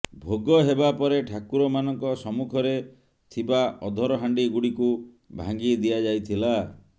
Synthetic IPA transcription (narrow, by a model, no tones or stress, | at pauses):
bʱoɡɔɦebapɔɾeʈʰakuɾɔmanɔŋkɔsɔmukʰɔɾe | t̪ʰibaɔd̪ʱɔɾɔɦaɳɖiɡuɽiku | bʱa̰ŋɡid̪ijad͡ʒajt̪ʰila